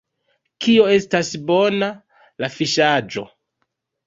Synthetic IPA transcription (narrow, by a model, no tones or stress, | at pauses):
kio̞e̞stasbo̞na | lafiʃad͡ʒo̞̰